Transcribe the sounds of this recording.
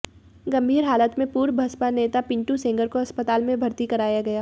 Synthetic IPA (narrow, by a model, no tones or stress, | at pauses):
ɡɐ̃mbʱiːɾɦaːlət̪mẽpuːɾbʱɐspaneːt̪apɪ̃ɳʈusẽːŋɡəɾkoɐspət̪aːlmẽbʱɐɾt̪ikɐɾaːjaɡɐjaː